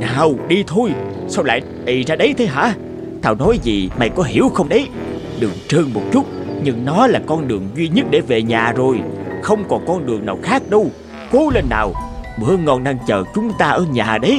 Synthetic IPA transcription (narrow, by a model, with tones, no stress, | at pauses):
naː˨˩wɗi˧t̪ʰo˧j | sa˧wla̰ː˧˨j | ʔi˨˩zaː˧ɗə˨˦jt̪ʰe˨˦ɦa̰ː˧˥ | t̪ʰaː˧˩wnɔ˨˦jzi˨˩ma̰˧˨jkɔ˨˦ɦḭ˧˩əwxə˧wŋ͡mɗə˨˦j | ɗɨ̰˨˩əŋt͡ɕəː˧ŋmo˨˩t̚t͡ɕʊ˦˥t̚ɲɨ˧ŋnɔ˨˦laː˨˩kɔ˧nɗɨ˨˩əŋzwi˧ɲə˦˥t̚ɗe˧˩ve˨˩ɲaː˨˩zo˨˩jxə˧wŋ͡mkɔ˨˩nkɔ˧nɗɨ˨˩əŋnaː˨˩wxaː˦˥k̚ɗə˧w | ko˨˦le˧nːa̰ː˨˩wɓɨ̰˧˥əŋɔ˧nɗaː˧ŋt͡ɕəː˨˩t͡ɕʊ˨˦ŋ͡mt̪aː˧ʔəː˧˩ɲaː˨˩ɗə˨˦j